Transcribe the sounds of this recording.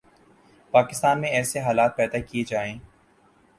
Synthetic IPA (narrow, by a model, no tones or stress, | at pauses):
paːkɪst̪aːnmẽɛːseɦaːlaːt̪̚pɛːd̪akied͡ʒaːẽː